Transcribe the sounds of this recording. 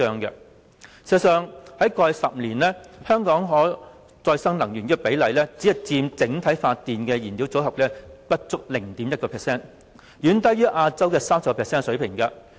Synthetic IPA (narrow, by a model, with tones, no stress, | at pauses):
œː˧ŋkɛ˧ | si˨˩ɐ˧sœː˨ŋhɐ˨˥jkɔː˧jsɐ˨p̚liː˨˩nlɛ˥hœː˥ŋkɔː˨˥ŋɦɔː˨˥ | t͡sɔː˧jsɐ˥ŋlɐ˨˩ŋjɥyː˨˩nkɛ˧pe˨˥jlɐ˨˩jlɛː˥t͡si˨˥hɐ˨jt͡siː˧mt͡sɪ˨˥ŋt̪ʰɐ˨˥jfaː˧tt̪iː˨nkɛː˧jiː˨˩niː˨˥wt͡so˨˥wɦɐ˨p̚lɛː˥pɐ˥t̚t͡sʊ˥k̚lɪ˨˩ŋt̪iː˨˥mjɐ˥t̚kɔː˧pʰɛː˨˩sɛː˥˩n | jyː˨˥nt̪ɐ˥jyː˥ʔaː˧t͡sɐ˥wkɛː˧saː˥msɐ˨˧pkɔ˧pʰɛː˨ksɛː˥nsɵ˨˥ɥpʰɪ˨˩ŋkɐ˧